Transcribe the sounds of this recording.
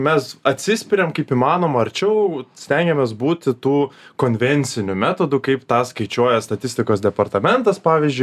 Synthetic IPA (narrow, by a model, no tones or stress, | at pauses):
mʲɛsɐt̪ʲsʲɪsʲpʲɪɾʲɛmkɐɪpiːmɑːnoːmɐɐɾʲt͡ʃʲɛʊsʲt̪ʲæŋʲɡʲɛmʲeːsbuːt̪ʲɪt̪uːkoːnʲʋʲɛnʲt͡ssʲɪnʲʊmʲæːt̪oːd̪ʊkɐɪpt̪ɑːskɐɪt͡ʃʲuɔjɛst̪ɐt̪ʲɪsʲt̪ʲɪkoːsd̪ʲɛpɐrt̪ɐmʲɛnt̪ɐspɑːʋʲiːzʲd͡ʒʲʊɪ